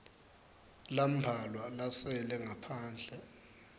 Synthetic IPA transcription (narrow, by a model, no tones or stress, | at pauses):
lam̩bʱalwalasɛlɛŋʱapʰaːnd͡ɮʱɛ